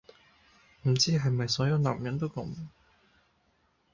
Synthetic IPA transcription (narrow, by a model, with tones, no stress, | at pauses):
m̩˨˩t͡siː˥ɦɐ˨jmɐ˨jsɔː˨˥jɐ˨˧wna̰ː˨m̚jɐ˨˥nt̪o˥wkɐ̰˨˥m